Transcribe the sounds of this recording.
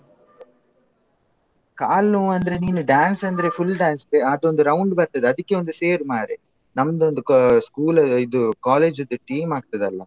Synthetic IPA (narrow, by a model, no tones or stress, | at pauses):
kaːlnuːɐnd̪ɐɾeniːnuɖaːnsɐnd̪ɐɾefʰulːɖaːnst̪eɐd̪o̞nd̪uɾɐwʊɳɖbɐɾt̪ɐd̪eɐd̪ukːeond̪useːɾumaːɾi | nɐmːɐd̪ond̪uskuːlɐid̪ukaːleːd͡ʒod̪uʈiːmaːɡ̚t̪ɐd̪ɐlːɐ